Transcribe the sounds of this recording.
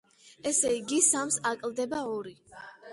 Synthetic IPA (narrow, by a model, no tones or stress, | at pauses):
ɛsɛiɡisamsakʼld̪ɛbaɔɾi